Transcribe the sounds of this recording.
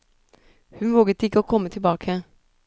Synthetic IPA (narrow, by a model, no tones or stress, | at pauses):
hʉnʋoːɡət̪ɪkːəoːkʰɔmət̪ʰɪlbɑːkʰə